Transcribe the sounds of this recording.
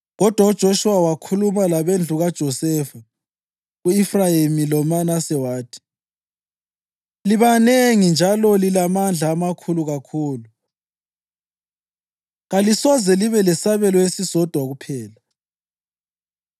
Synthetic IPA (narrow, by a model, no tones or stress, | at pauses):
ɣɔd̥ʱwaud̥ʒ̥ʱoʃuwawakʰulumalaβend͡ɮʱuɣad̥ʒ̥ʱɔsɛfa | uifrajemilɔmanasɛwaːtʰi̥ | liβaneŋind͡ʒʱalɔlilamand͡ɮʱaːmakʰuluɣakʰuːlu | ɣalisɔzɛliβɛlɛsaβɛlɔjesiz̥ɔd̥ʱwaɣupʰɛːla